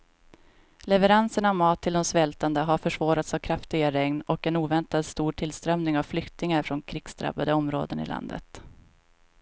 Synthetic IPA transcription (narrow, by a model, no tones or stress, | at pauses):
lɛvəɾansəɳavmɑːt̪ʰːɪld̪ɔmsvɛlt̪and̪əɦaɾfœʂvɑːɾat̪savkʰɾaft̪ɪɡaɾɛŋnɔkɛnuːvɛnt̪ad̪st̪uːʈʰɪlst̪ɾœmnɪŋavflʏkt̪ɪŋaɾfɾɔnkʰɾɪːɡ̥sd̪ɾa̰bːad̪əɔmɾo̰ːd̪ə̰nɪ̰lʔa̰nd̪ə̰t̪